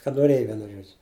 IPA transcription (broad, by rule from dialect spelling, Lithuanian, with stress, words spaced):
kɐt noːˈrʲeːjɛ ˈʋʲiɛnʊ ˈʒuɔd͡ʒʲʊ